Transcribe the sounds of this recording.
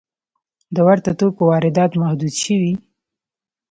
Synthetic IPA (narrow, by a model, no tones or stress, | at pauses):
d̪əwaɾt̪at̪okowɑɾɪd̪ɑt̪mahd̪ud̪ʃəwi